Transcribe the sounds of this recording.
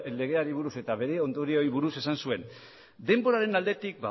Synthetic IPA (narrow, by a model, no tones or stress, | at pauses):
le̞ɣ̞e̞aɾiβ̞uɾuse̞t̪aβe̞ɾe̞o̞nd̪o̞ɾio̞jβuɾuse̞sansue̞n | d̪e̞mbo̞ɾaɾe̞nald̪e̞t̪ik̚ba